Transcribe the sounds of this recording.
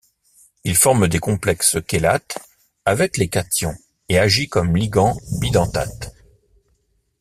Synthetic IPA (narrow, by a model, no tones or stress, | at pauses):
ilfɔʁmd̪ekɔ̃plɛkskʲelat̪ | avɛklekat̪jɔ̃ | eaʒikɔmliɡɑ̃bid̪ɑ̃t̪a̰t̪